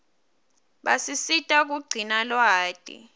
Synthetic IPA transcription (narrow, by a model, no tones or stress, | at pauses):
ɓasisitʼak̬uɡ͡ǀʱinalwaːd̥ʼḭ